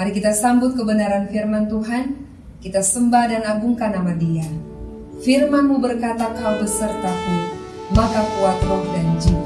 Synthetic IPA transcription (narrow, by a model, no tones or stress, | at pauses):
maɾikit̪asambʊt̪̚kəbənaɾanfirmant̪uɦan | kit̪asəmbahdanaɡuŋkanamadia | firmanmubərkat̪akalbəsərt̪api | makakuat̪rɔhdand͡ʒi